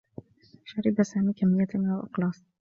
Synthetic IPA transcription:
ʃaɾɪbasaːmiːkamːɪjːaʔawʔɑqlɑːsˤ

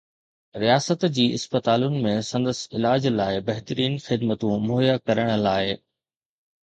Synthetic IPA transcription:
ɾijaːsət̪d͡ʑiːɪ̰spət̪aːlʊnɪ̆mẽsɐ̃nd̪əsɪlaːd͡ʑlaːɪbɐɦɪt̪əɾiːnxɪd̪mət̪ũmoɦjakɐɾəɽ̃̆laːɪ

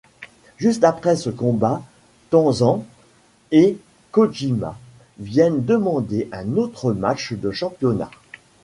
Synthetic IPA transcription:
ʒyst̪apχɛsəkɔ̃ba | t̪ɔ̃zɑ̃ | e | kɔʒima̰ | vjɛnd̪əmɑ̃d̪eʔɛ̃not̪χəmat͡ʃd̪əʃɑ̃pjɔna̰

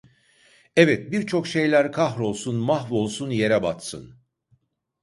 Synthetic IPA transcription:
ɛvɛt̪̚biɾt͡ʃʰo̞kʃe̞jlʲæɾkʰaɦɾo̞lˠsunmaɦvo̞lˠsunje̞ɾɛbat̪sɯ̰n

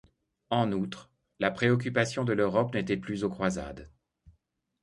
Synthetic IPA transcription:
ɑ̃nut̪χ | lapχeɔk̬ʲypasjɔ̃d̪əløʁɔpnet̪ɛplyzokχwaza̰d̪

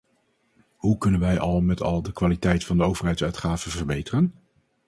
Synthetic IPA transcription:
ɦukɵnənʋɛjʔɑlˠmɛtʰɑ̰lˠdəkʋaːlitɛjtfɑndəowvərɦɛjtsœɥtχaːvəvərbejtərən

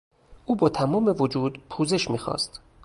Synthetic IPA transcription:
ʔuːbɒːt̪ʰæmɒːme̞vod͡ʒuːd̪pʰuːze̞ʃmiːxɒ̰ːst̪

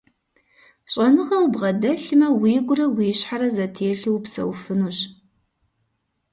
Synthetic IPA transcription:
ɕʼɐnɨʁɐwbʁɐdɐɬɨmɐwiːɡʷʊrɐwiːɕħaɾɐzɐtʰeːɬɨwpsɐ̰wfɨnuːɕ

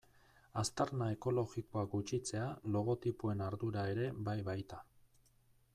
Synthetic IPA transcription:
ast̪aɾnae̞ko̞lo̞ɣiko̞ak̚ɡut͡ʃit͡se̞alo̞ɣ̞o̞t̪ipue̞naɾðuɾae̞ɾe̞bajβajt̪a

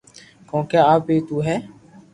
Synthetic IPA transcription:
kõːkeːaːpeːt̪uːɦɛː

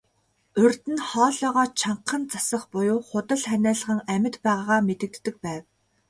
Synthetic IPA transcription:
ɵrt̪ɘ̆nχɔːɮɔːʁɔːt͡ɕʰaɴqʰːə̆nt͡sasə̆χpʊjʊːχʊt̪ə̆ɮχænæːɮə̆ʁə̆ŋæmʲɪ̆t̪pæːʁaːʁaːmet̪ɘ̆k̚t̪ːɘ̆k̚pæːw

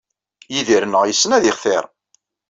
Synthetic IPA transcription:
jiðiɾnəʁjəsːənæðɪχθɪ̰ɾˤ

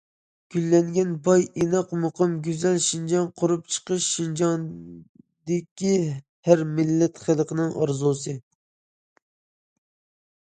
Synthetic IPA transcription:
ɡ̥ʲylːɛŋɡʲɛnbɑjenɑqmoqʰəmɡʲyzɛlʃind͡ʒɑŋqʰʊɾup̚t͡ʃʰə̥qəʃːind͡ʒɑŋ | d̪ɪkʲi | hæɾmɪlːɛt̪χəlˠqʰənɨŋʔɑ̰ɾzulˠsɨ

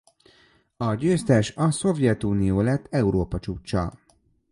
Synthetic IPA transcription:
ɒɟøːst̪ɛʃɒso̞vjɛt̪uːnijoːlɛt̪ʰːɛuɾoːpɒt͡ʃuːt͡ʃːɒ̰

